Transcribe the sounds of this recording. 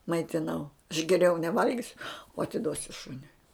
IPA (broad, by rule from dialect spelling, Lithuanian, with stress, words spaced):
mɐɪtʲɪˈnɐʊ ɐʃ ɡʲɛˈrʲɛʊ nʲɛˈʋɐlʲɡʲɪsʲʊ oː ɐtʲɪˈduɔsʲʊ ˈʃʊnʲʊɪ